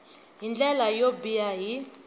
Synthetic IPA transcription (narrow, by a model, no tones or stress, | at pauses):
ɦind͡ɮɛlajobijaɦi